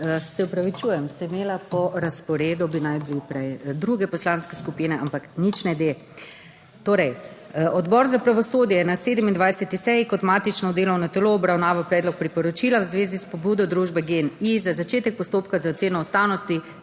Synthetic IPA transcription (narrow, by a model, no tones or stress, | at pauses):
sɛupɾaʋit͡ʃuːjɛmsɛimeːlapɔɾaspɔɾeːd̪ɔbinajblipɾɛjd̪ɾuɡɛpɔslanskɛskupiːnɛʔampaknit͡ʃnɛd̪e | t̪oːɾɛjɔd̪bɔːɾzapɾaʋɔsoːd̪jɛnaseːd̪əmind̪ʋajsɛt̪isɛjikɔt̪maːt̪it͡ʃnɔd̪eːlɔwnat̪ɛloːbɾawnaːʋapɾɛːd̪lɔk̚pɾipɔɾɔt͡ʃilawzʋeːzispɔbuːd̪ɔd̪ɾuːʒbɛɡenizazat͡ʃeːt̪ɛk̚pɔst̪oːpkazaot̪seːnɔːst̪awnɔst̪i